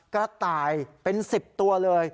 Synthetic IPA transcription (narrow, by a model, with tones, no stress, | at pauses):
kɔː˥˩t̪aː˨˩jpe˧nsi˨˩p̚t̪u˧ɐlɤː˧j